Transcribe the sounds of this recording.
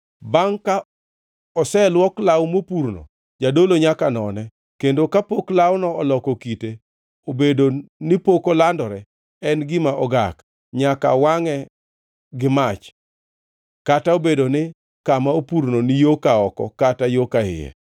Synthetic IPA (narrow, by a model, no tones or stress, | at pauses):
baŋka | ɔsɛlwɔklawmopuɾno̰ | d͡ʒadoloɲakanɔnɛ | kendokapoklawnɔːlɔkokite | obedonɪpokolandɔɾɛ | ɛnɡɪmaʔɔɡak | ɲaka̰waŋɛ | ɡɪmat͡ʃ | kataobedonɪ | kamaopuɾnonɪjokaɔkɔkatajokaɪ̰jɛ̰